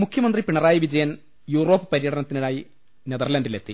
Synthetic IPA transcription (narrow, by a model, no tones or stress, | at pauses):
mukʰjɐmɐnd̪ripiɳɐraːjiʋid͡ʑɐjɐn | juːro̞ːpːɨ̥pɐɾijɐɽɐnɐt̪ːinuɭaːji | ned̪ɐrlɐndile̞t̪ːi